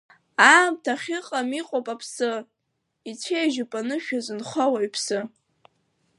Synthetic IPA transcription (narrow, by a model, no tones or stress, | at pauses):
amtʰaχʲɪqʼamiqʼopʼapʰsɨ | it͡sʰejʒʊpʼanɨʃᶣazɨnχawaipʰsɨ